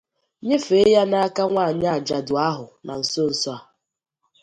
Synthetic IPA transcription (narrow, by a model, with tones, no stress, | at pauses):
ɲe˦fe˨˦ja˦na˦ka˦ŋʷa˦˨ɲa˦a˨d͡ʒa˨dʊ˨a˦ɦʊ˨na̰˨n̩˨so˦n̩˨sɔ˦a˨